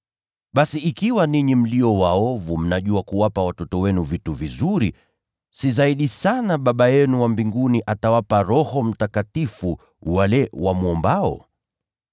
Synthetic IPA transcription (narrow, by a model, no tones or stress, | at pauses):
ɓasiikiwaniɲim̩liɔwaɔvum̩naʄuakuwapawatɔtɔwɛnuvituvizuɾi | sizaiɗisanaɓaɓajɛnuwambiŋɡuniʔatawapaɾɔhɔm̩takatifu | walɛwamwɔmbaɔ̰